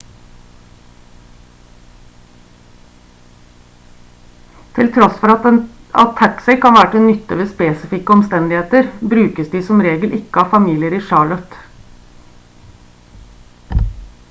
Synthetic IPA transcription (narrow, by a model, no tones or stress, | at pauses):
t̪ʰɪlt̪ʰɾɔsfɔɾɑɛnɑ̰t̪ʰːæksɛɪkʰɑnʋæːɾʈ̪ɪnʏt̪ːəʋeːspeːsɪfɪkəɔmst̪ɛnd̪ɪheːt̪əɾbɾʉːkəsd̪iːsɔmɾeːɡəlʔɪkːəɑːfɑmiːlɪəɾiːʃɑːɭɔt̪